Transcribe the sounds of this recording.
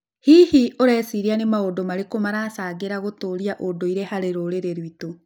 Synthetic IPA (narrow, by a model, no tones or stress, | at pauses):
hihiʔoɾɛːsiɾianemaodomaɾekomaɾaːsaːɣeɾaɣotoːɾiaʔodoiɾehaɾeɾoɾeɾeɾwito